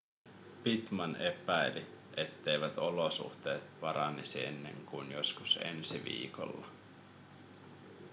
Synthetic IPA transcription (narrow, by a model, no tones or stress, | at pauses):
pit̪mɑnʔe̞pæjli | e̞t̪ːe̞jʋæt̪o̞losṵxt̪e̞ːt̪pɑɾɑnesie̞nːe̞̰ŋkuinjo̞skusḛnsiʋḭːko̰lːɑ